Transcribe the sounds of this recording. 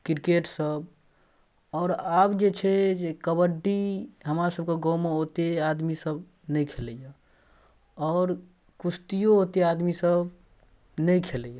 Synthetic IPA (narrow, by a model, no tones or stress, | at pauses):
kiɾkeʈsəb̚ | ɔːɾabd͡ʒet͡ʃʰɛd͡ʒekəbəɖːiɦəmɾasəb̚keɡɔmeɦot̪ead̪misəb | nəjkʰeləja | ɔːɾ | kust̪ijoɦot̪ead̪misəb | nəjkʰeləja